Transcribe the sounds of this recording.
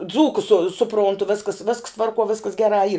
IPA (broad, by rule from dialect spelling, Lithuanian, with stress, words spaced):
ˈd͡zuːkʊs sʊ sʊˈproːntʊ ˈʋʲɪskɐs ʋʲɪsks ˈtʋɐrkuɔ ˈʋʲɪskɐs ˈɡʲæːrɑː iːr